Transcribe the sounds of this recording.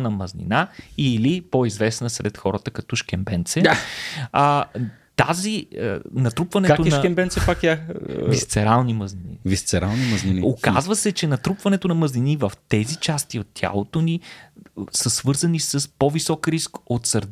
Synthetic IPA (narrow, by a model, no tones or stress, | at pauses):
nɐmɐznʲḭnailipoizvɛsnəsɾɛ̰t̪xɔɾət̪əkɐt̪ɔʃkɛmbɛnt̪sɛ | ə | t̪aziə̰nɐt̪ɾupvɐnɛkat̪onʃɐɛmbɛnt̪sɛpakavist̪sɛɾalˠniməzninḭvist̪sɛɾalˠniməzniniokazvəsɛt͡ʃɛnɐt̪ɾupvɐnɛt̪onɐməznʲinivəft̪ɛzit͡ʃast̪iot̪ːʲa̰lˠot̪oni | səsvɤɾzənisəspovisɔkɾiskot̪sɐɾd̪